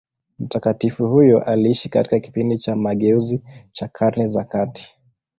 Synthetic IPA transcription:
m̩takatifuhujɔʔaliiʃikati̥kaki̥pindit͡ʃamaɠɛuzit͡ʃakʰaɾnɛzakati̥

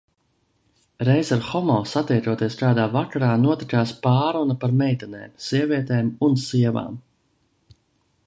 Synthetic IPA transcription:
ɾɛjzaɾxɔmɔːsat̪ɛjt̪uɔt̪iɛskaːd̪aːvakaɾaːnuɔt̪ikaːspaːɾunapaɾmɛjt̪ɛnɛ̰ːmsiɛviɛt̪ɛːmunsiɛva̰ːm

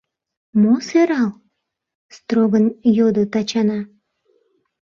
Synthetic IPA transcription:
moseɾɑl | st̪ɾoɣənjod̪ot̪ɑt͡ɕɑnɑ

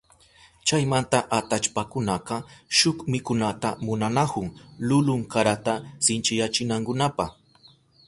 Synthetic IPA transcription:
t͡ʃajmant̪aʔat̪at͡ʃpakʊnaqɑʃʊkmɪkʊnat̪amʊnanakʊŋlʊlʊŋkaɾat̪asɪnt͡ʃɪjat͡ʃɪnaŋkʊnapɑχ

